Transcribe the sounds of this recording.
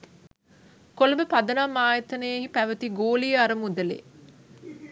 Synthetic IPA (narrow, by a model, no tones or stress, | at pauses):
kolɐmbəpɐd̪ɐnamːaːjɐt̪ɐnejehipæʋɐt̪iɡoːliɐɾɐmud̪ɐlḛː